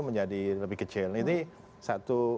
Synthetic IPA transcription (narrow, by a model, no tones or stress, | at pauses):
məɲd͡ʒadiləbɪhkət͡ʃɪlnit̪i | sat̪u